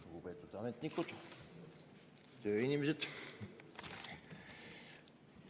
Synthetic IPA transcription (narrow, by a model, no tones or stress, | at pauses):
luɡupeːt̪ːˑut̪ɑmet̪nikːut̪ | t̪øːinʲimeset̪